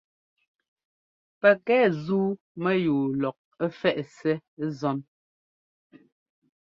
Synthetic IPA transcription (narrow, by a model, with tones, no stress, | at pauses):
pɛ˨kɛː˦zuː˦ | mɛ˦juː˨lɔ˨k̚ | ɛ˦fɛ˦˨ʔsɛ˦zɔ˦n